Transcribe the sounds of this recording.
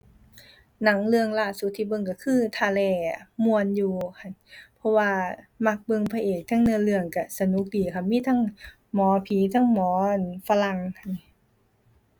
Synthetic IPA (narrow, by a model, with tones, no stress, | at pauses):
na˧˦˥ŋlɯ˧əŋlaː˧˩su˧˦t̪ʰːiː˧˩bɤ˧˨ŋk̬a˧˩kʰɯː˧˨t̪ʰaː˧˩lɛː˧˩mu˧ənjuː˧kʰa˧˩npʰɔ˧waː˧ma˧˥k̚bɤ˧˨ŋpʰa˧ʔeː˨˩k̚t̪ʰa˧˥˩ŋnɯ˧ə˨lɯ˧əŋka˧˩sa˧nu˧˦k̚diː˨˩kʰa˧˩miː˧˥˨t̪ʰa˧˥˨ŋ | mɔː˨˦pʰiː˨˦t̪ʰa˧˥˨ŋmɔː˨˦nfa˧la˧ŋkʰa˧˨˩n